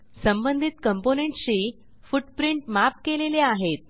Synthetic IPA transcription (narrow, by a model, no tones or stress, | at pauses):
səmbənd̪ʱit̪kəmponeɳʈɕiː | fuʈpɾiɳʈmap̚keleleaɦet̪̚